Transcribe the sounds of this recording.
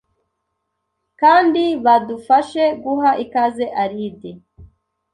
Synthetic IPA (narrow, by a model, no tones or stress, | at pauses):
kaːndiβadufaʃe̞ɡuɦaʔikazeʔaɾide